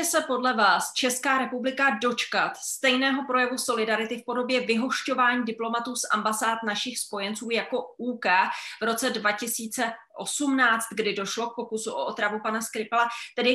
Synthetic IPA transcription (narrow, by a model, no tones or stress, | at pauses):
ɛsɛpo̞dlɛvaːst͡ʃɛskaːɾɛpublɪkado̞t͡ʃkat̪st̪ɛjnɛːɦo̞pɾo̞jɛvuso̞lɪdaɾɪt̪ɪfpo̞do̞bjɛvɪɦo̞ʃco̞vaːɲiːdɪplo̞mat̪uːsʔa̰mbasaːt̪naʃɪxspo̞jɛnt͡suːjako̞uːkɛːvɾo̞t͡sɛdvacɪsiːt͡sɛʔo̞sumnaːt͡st̪ɡdɪdo̞ʃlo̞k̚po̞kusuʔo̰ʔot̪ɾavupanaskɾɪpɛlat̪ɛdɪ